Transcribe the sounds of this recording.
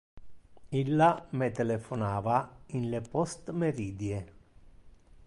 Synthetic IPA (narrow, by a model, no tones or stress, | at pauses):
ilːamet̪elefonaːvainlepɔst̪meɾiːd̪je